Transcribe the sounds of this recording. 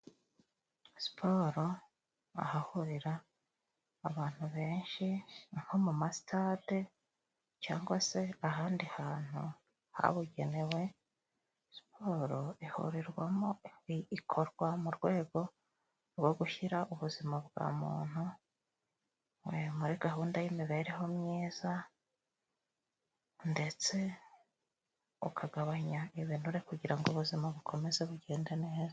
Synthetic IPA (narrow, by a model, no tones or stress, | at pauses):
si̥pʰo̞ːɾo̞ | a̰hahuɾiɾaː | βaːn̥huβe̞ːnʃinhomumasi̥tʰate | ca̰ːŋɡwase̞aɦaːndihaːn̥hu | ha̰βuɟe̞ne̞we̞ | si̥pʰo̞ɾoihṵɾiɾwamoikʰo̞ɾɡwamuɾɡwe̞ːɡo̞ | ɾɡwo̞ɡuʃiɾaʔuβuzimaβɡa̰mṵːn̥u | wemuɾiɡaɦuːndajimiβe̞ːɾeɦo̞mɲeːz̥a | nde̞t͡se̞ | ṵkʰaɡaβaɲaiβinuɾe̞kuɟiɾaŋɡoβuzimaβukʰo̞me̞ze̞βuɟe̞ːndenehez